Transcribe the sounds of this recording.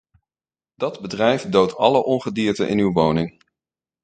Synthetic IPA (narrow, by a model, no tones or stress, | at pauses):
d̥ɑdbədrɛjfdowtʰɑləʔɔnχədiːɹtəʔɪ̰nywʋownɪŋ